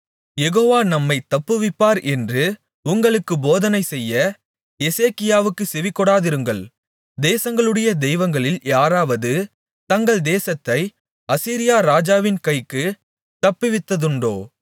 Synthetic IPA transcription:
jɛɣoːʋaːnɐmːɐɪt̪ɐpːɯʋɪpːaːɾʔɛndrɯ | ʊŋɡɐɭɯkːɯboːðɐnɐɪsɛjːɐ | ɛseːkːɪjaːʋɯkːɯsɛʋɪkːɔɽaːðɪɾɯŋɡɐɭ | d̪eːsɐŋɡɐɭɯɽɐjɐd̪ɛɪʋɐŋɡɐɭɪljaːɾaːʋɐðɯ | t̪ɐŋɡɐɭd̪eːsɐt̪ːɐɪ | ɐsiːɾɪjaːɾaːd͡ʒaːʋɪnkɐɪkːɯ | t̪ɐpːɯʋɪt̪ːɐðɯɳɖo̰ː

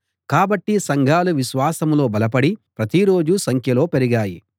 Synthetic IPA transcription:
kaːbɐʈːisɐŋɡʱaːluʋiʃʋaːsɐmlo̞ːbɐlɐp̬ɐɽipɾɐt̪iɾo̞ːd͡ʒusɐŋkʰjɐlo̞ːpeɾiɡaːjḭ

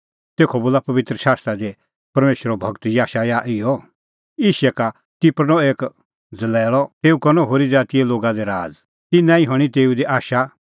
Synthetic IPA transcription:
t̪eːkʰɔboːlapɐʋɪt̪ɾəʃaːst̪ɾad̪e | pɐɾmeːʃɾɔbʱɐɡt̪jaːʃajaʔɪjɔ | ɪːʃɛka | t̪ɪpɾnɔeːk | d͡zɐlɛːɭɔt̪eːukɐnɔ̃ɦoːɾid͡zaːt̪ijɛloːɡad̪ɛɾaːd͡z | t̪inãːĩɦɔɽ̃it̪eːud̪eʔaːʃa

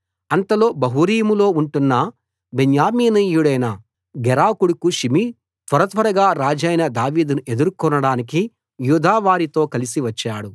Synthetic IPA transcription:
ɐnt̪ɐlo̞ːbɐɦuɾiːmulo̞ːuɳʈunːɐ | beɲjaːmiːnɐjuɽɐjnɐ | ɡɛɾaːkuɽukuʃimi | t̪ʋɐɾɐt̪ʋɐɾɐɡaːɾaːd͡ʒɐjnɐd̪aːʋiːd̪unuʔe̞d̪uɾkɔnɐɽaːniki | juːd̪ʱaːʋaːɾit̪o̞ːkɐlisiʋɐt͡ʃːaːɽu

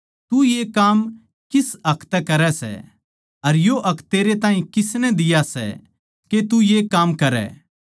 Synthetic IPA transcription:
t̪ujekaːm | kɪsɐkʰt̪ɛkɐɾɛsɛ̰ | ɐɾjoʔɐkʰt̪eːɾet̪aːɦĩkɪsnɛd̪ɪjasɛ̰ | ket̪ujekaːmkɐɾɛ̰ː

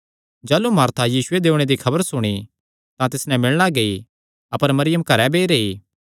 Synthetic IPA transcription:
d͡ʒaːlumaːɾt̪ʰajiːsʊed̪eːʊɽ̃ed̪ikʰɐbəɾsʊɽ̃i | t̪ãt̪ɪsnɛ̃mɪɭnaɡei | ɐpəɾmɐɾɪjəmkɐɾɛbeːɾeːiː

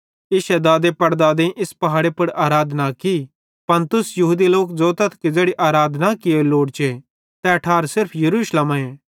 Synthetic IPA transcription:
ɪʃɛd̪aːd̪epɐɾd̪aːd̪ẽʔɪspɐɦaːɽepʊɽaːɾaːd̪ʱnaki | pɐnt̪ʊsjɐɦuːd̪iloːkd͡zoːt̪ɐt̪ʰkid͡ʒeːɽiʔaːɾaːd̪ʱnakɪoloːɽt͡ʃe | t̪ɛɐʈʰaːɾsɪɾpʰjɐɾuːʃləmaẽː

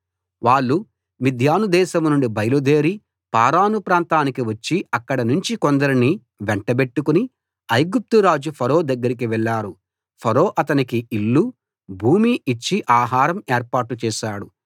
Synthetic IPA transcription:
ʋaːɭːu | mid̪ʱjaːnud̪ɛːʃɐmnuɳɖibɐjlud̪e̞ːɾi | paːɾaːnupɾaːnt̪aːnikiʋɐt͡ʃːiɐkːɐɽɐnuɲt͡ʃikond̪ɐɾini | ʋɛɳʈɐbe̞ʈːukuni | ɐjɡup̚t̪uɾaːd͡ʒupʰɐɾo̞ːd̪ɐɡːɐɾik̬iʋɛɭːaːɾu | pʰɐɾo̞ːʔɐt̪ɐnikiiɭːu | bʱuːmiːt͡ʃːiʔaːɦaːɾɐmeːɾpaːʈːut͡ʃɛːʃaːɽu

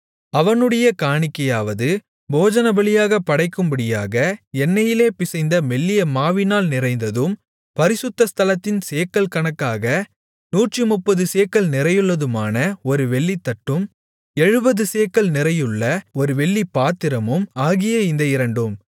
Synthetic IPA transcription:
ɐʋɐnɯɽɐjɐkaːɳɪkːɐjaːʋɐðɯ | boːd͡ʒɐnɐbɐɭɪjaːɣɐpːɐɽɐɪkːɯmbɐɽɪjaːɣɐɛnːɐjɪleːpɪsɐɪnd̪ɐmɛɭːɪjɐmaːʋɪnaːlnɪrɐɪnd̪ɐðɯm | pɐɾɪsʊt̪ːɐst̪ɐlɐt̪ːɪnseːkːɐɭkɐɳɐkːaːɣɐ | nuːʈrimʊpːɐðɯseːkːɐlnɪrɐjɯɭːɐðɯmaːnɐɔɾɯʋɛɭːit̪ːɐʈːɯm | ɛɻɯbɐðɯseːkːɐɭnɪrɐjɯɭːɐɔɾɯʋɛɭːipːaːt̪ːɪɾɐmɯmaːɣɪjɐɪnd̪ɐɪɾɐɳɖɯm

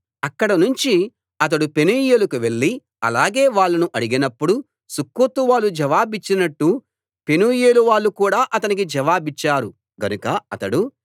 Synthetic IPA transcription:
ɐkːɐɽɐnuɲt͡ʃi | ɐt̪̬ɐɽupe̞nuːjeːlukuʋe̞ɭːi | ɐ̰laːɡeːʋaːɭːɐnuʔɐɽiɡinɐpːuɽu | sukːut̪uʋaːlud͡ʒɐʋaːbit͡ʃːinɐʈːu | pe̞nuːjeːluʋaːɭːukuːɽaːʔɐt̪ɐnik̬id͡ʒɛʋaːbit͡ʃːaːɾu | ɡɐnukɐɐt̪ɐɽu

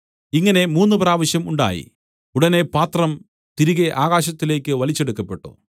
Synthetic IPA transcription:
iŋːɐne̞muːnːɨpraːʋɐɕjɐmuɳɖa̰ːjḭ | uɽɐne̞paːt̪rɐm | t̪iɾiɣeʔaːɣaːɕ̬ɐt̪ːile̞ːkʲːɨʋɐlit͡ɕːeɽukːɐpːe̞ʈːṵ

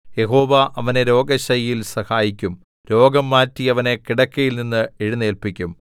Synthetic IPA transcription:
je̞ɦo̞ːʋɐʔɐʋɐne̞ɾo̞ːɡɐɕɐjjilsɐhaːjikʲːum | ɾo̞ːɡɐmːaːtːiɐʋɐnekiɽɐkːɐjilninːɨeɻunːe̞ːlpikʲːum

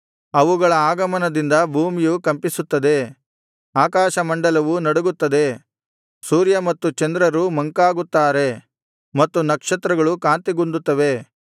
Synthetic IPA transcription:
ɐʋuɡɐɭɐaːɡɐmɐnɐd̪ind̪ɐbʱuːmijukɐmpisut̪ːɐd̪e̞ | aːkaːʃɐmɐɳɖɐlɐʋunɐɽuɡut̪ːɐd̪e̞ | suːɾjɐmɐt̪ːut͡ʃɐnd̪ɾɐɾumɐŋkaːɡut̪ːaːɾe̞ | mɐt̪ːunɐkʂɐt̪ɾɐɡɐɭukaːnt̪iɡund̪ut̪ːɐʋe̞

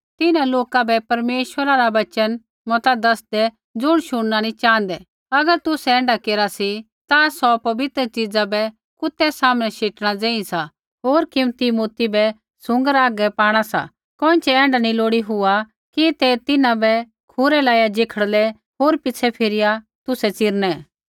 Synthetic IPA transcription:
t̪ɪnãloːkabɛpɐɾmeːʃwəɾaɾaʋɐt͡ʃən | mɔt̪ad̪ɐsd̪ɛ | d͡zʊɽ̃ʃʊɽ̃nanĩt͡ʃãːə̃nd̪ɛ | ɐɡəɾt̪ʊsɛɛ̃ːɳɖakeːɾasi | t̪asɔpɐbɪt̪ɾət͡ʃid͡zabɛ | kʊt̪ːɛsaːmñɛʃeːʈɽ̃ad͡zẽːĩsa | ɦoːɾkɪmt̪imoːt̪ibɛ | sʊ̃ŋɡəɾaːɡɛpaːɽ̃asa̰ | kɔ̃ːɪ̃t͡ʃʰɛɛ̃ːɳɖanĩloːɽiɦʊa | kit̪ɛt̪ɪnãbɛ | kʰʊɾɛlaːjad͡ʒɪkʰəɽlɛ | ɦoːɾpɪt͡sʰɛpʰɪɾɪja | t̪ʊsɛt͡sɪɾñɛ

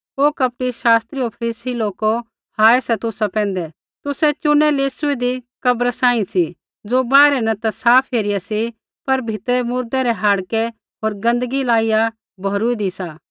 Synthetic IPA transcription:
oːkɐp̚ʈiʃaːst̪ɾiopʰɐɾiːsiloːko | haːɛsɛt̪ʊsapɛ̃ːnd̪ɛ | t̪ʊsɛt͡ʃʊnɛleːsʊid̪ikɐbɾasãːĩsi | d͡zobaːɾɛnɐ̃t̪asaːpʰɦeːɾɪjasi | pɐɾbʱɪt̪ɾɛmʊɾd̪ɛɾɛɦaːɽkɛ | ɦoːɾɡɐ̃nd̪əɡilaːɪja | bʱoɾuid̪isaː

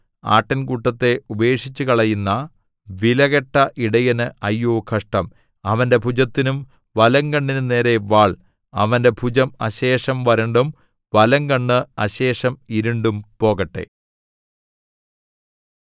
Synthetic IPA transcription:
a̰ːʈːɐnkuːʈːɐt̪ːe̞ubɐe̞ːʂit͡ɕːukɐɭɐjunːɐ | ʋilɐɣɐʈːɐʔiɽɐjɐnɨɐjːoːkʰɐʂʈɐm | ɐʋɐnde̞bʱud͡ʑɐt̪ːinum | ʋɐlɐŋɡɐɳːinune̞ːɾe̞ʋaːɭ | ɐ̰ʋɐnde̞bʰʱud͡ʑɐmɐ̰ɕeːʂɐmʋɐɾɐɳɖum | ʋɐlɐŋɡɐɳːɨɐɕe̞ːʂɐmiɾuɳɖumpo̞ːɣɐʈːe̞̰

